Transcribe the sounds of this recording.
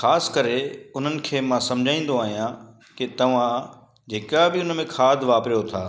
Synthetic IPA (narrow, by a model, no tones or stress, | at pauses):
xaːsɪ̥kəɾeʊn̤ənɪ̆kʰeːmãsɐ̃md͡ʑʱãːĩn̆d̪oaːɦijã | kɪt̪ɐʋ̤ã | d͡ʑeːkabɪʊnəmẽkʰaːd̪ʱʋaːpɾijot̪ʰaː